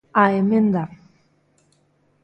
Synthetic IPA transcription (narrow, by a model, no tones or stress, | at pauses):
aemend̪a